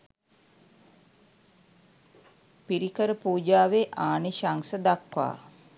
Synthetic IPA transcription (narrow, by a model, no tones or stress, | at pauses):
piɾikəɾəpuːd͡ʒaːʋeʔaːniʃaŋsəd̪akʋa̰ː